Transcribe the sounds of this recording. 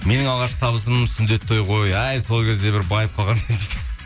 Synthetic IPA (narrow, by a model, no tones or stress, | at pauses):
me̞nɪŋɑlˠʁɑʃt̪ʰɑβəs̬əmsʏnd̪e̞t̪ʰːo̞jqʰo̞jæjso̞lˠkʲʰe̞zd̪e̞bɪɾbɑjəp̚qʰɑlˠʁɑnend̪it̪